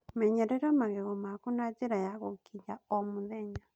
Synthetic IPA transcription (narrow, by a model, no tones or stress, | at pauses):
mɛɲɛɾɛɾɔmaɣeɣomakunad͡ʒiɾajaɣokiɲaomuðɛɲa